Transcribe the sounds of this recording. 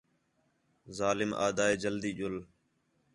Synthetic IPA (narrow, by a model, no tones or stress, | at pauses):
zaːlɪmʔa̰ːd̪aːeːd͡ʒəld̪iːʄʊl